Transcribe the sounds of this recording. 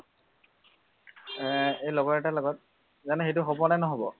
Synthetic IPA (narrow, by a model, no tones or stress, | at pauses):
ɛejlɔɡɔɹɛtalɔɡɔt̚ | zanɛxejt̬ʊɦobɔnanɔɦobɔ̰